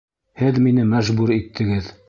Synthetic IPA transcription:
hɘðminɘmæʒbuɾit̪ʰːɘ̆ɡɘð

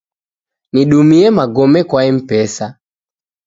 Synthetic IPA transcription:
niɗumiɛmaɡɔmɛkwaɛm̩pɛsa

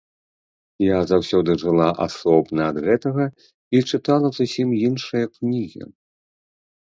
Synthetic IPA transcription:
jazawsʲɔd̪ɨʐɨlˠaʔa̰sɔbnɐːd̪ɣɛt̪ɐɣɐ | it͡ʂɨt̪alˠɐzusʲimjinʂɨjɐknʲiɣʲḭ

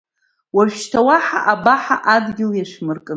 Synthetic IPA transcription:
waʒʃtʰawaħa̰ʔabaħaʔadɡʲɪljaʂmɨrkʼɨ

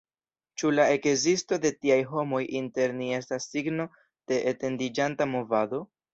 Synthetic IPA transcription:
t͡ʃulae̞kzisto̞de̞tiajɦo̞mo̞jʔinte̞ɾnie̞stasːiɡno̞ | d̥e̞ʔete̞ndid͡ʒantamo̞vado̞

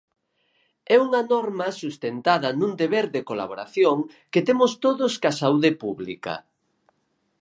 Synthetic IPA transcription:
ɛuŋɐnɔɾmɐsust̪ent̪aðɐnũnd̪eβeɾd̪ekola̰βoɾa̰θjoŋ | ket̪emʊst̪oðʊskasauðepuβlḭkɐ̰

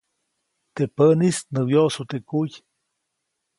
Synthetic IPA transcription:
t̪epənisnɨwjosut̪ekuj

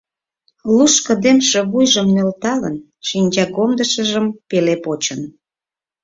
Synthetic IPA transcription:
luʃkə̆d̪emʃĕβujʒəmnølt̪ɑlə̰n | ʃinʲd͡ʑɑkomd̪əʃəʒəmpelepot͡ɕən

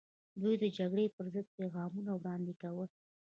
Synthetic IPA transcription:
d̪ujd̪əd͡ʒaɡɽepəɾzəd̪̚peɣɑmunawɽɑnd̪ekawə

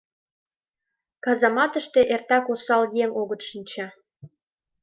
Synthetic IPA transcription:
kɑzɑmɑt̪əʃt̪eʔert̪ɑkosɑljeŋoɣət̪ʃinʲt͡ɕɑ

